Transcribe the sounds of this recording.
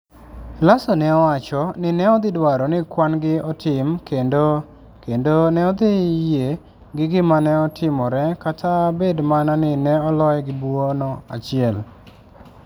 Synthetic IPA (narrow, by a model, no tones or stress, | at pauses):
lasonɛɔwat͡ʃɔnɪnɛɔd̪ɪdwaɾɔnɪkwanɡɪɔtʰɪmkendo | kendonɛɔd̪ɪje | ɡɪɡɪmanɛɔtʰɪmɔɾɛkatʰabedmananɪnɛɔlɔjɛɡɪbuwonɔa̰t͡ʃɪɛl